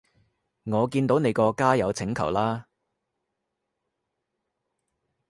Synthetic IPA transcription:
ŋɔː˨˧kiː˧nt̪o˨˥wne˨˧jkɔː˧kaː˥jɐ˨˧wt͡sʰɪ˨˥ŋkʰɐ̰˨˩wlaː˥

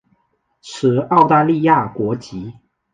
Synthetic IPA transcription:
ʈ͡ʂʰɻ̩˨˩˦ɑ˥˧ʊt̪a˥˧li˥˧ja˥˩kwɔ˧˥t͡ɕi˧˥

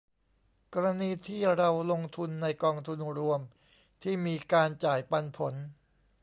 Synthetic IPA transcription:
kɔː˧ɾa˧niː˧t̪ʰiː˥˩ɾa˧wlo˧ŋt̪ʰu˧nːa˧jkɔː˧ŋt̪ʰu˧nɾu˧əm | t̪ʰiː˥˩miː˧kaː˧nt͡ɕaː˨˩jpa˧npʰo˩˦n

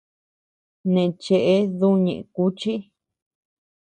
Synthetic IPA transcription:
nẽ˨˧t͡ʃe˧ʔe˦ðu˦ɲḛ̃˨ʔẽ˨˧ku˦t͡ʃi˦

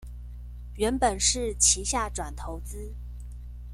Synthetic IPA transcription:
ɥɛ˧˥npə˨˩nʂɻ̩˥˩t͡ɕʰi˧˥ɕja˥˩ʈ͡ʂwa˨˩nt̪ʰo˧˥ʊt͡sɹ̩˥

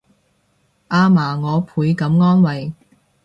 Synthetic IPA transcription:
ʔaː˧maː˨˩ŋɔː˨˧pʰuː˨˧˥jkɐ˨˥mŋɔː˥nwɐ˨j

